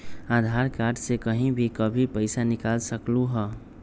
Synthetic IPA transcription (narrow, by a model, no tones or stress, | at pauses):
aːd̪ʱaɾkaɾɖsekəɦĩbʱikəbʱipəɪsanɪkalsəkluɦə